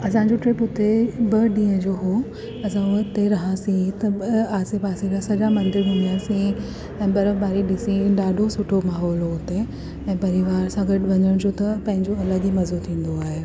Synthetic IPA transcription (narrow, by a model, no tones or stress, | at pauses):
ɐsãd͡ʑoʈɾeːpʊt̪ebɐɗĩːə̃d͡ʑoːɦoː | ɐsãʊt̪eɾɐɦãsĩt̪ɐaːsepaːsed͡ʑasɐd͡ʑamɐ̃nd̪ɪɾɦʊ̃nijaːsĩ | ɛ̃ːbɐɾəbaːɾiɗɪsĩɗaːɖʱosʊʈʰomaːɦɔːloʊt̪e | ɛ̃ːpɐɾiʋaːɾsãɡɐɖʋɐɲəɽ̃d͡ʑoːt̪ɐpɐ̃ɦɪ̃ɲd͡ʑoɐləɡimɐzbut̪ʰːĩːn̆d̪oaːɦe